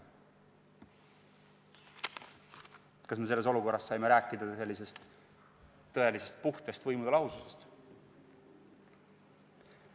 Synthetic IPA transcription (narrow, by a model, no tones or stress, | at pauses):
kɑsmes̬e̞lːe̞s̬o̞luko̞rːɑsːɑjme̞ɾæːkˑːid̪̥ɑselːise̞st̪ː | ɤ̞elise̞st̪̚puht̪e̞st̪vɤjmud̪̥elɑɦususe̞st̪